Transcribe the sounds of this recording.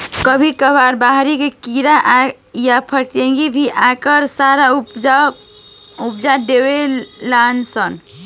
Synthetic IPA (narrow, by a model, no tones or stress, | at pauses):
kəbʱikəbaɾbaɦɾikekiɾaʔ | japʰəɾʈ̪ẽŋɡibʱiʔakəɾsaɾa | upd͡ʒadewelansən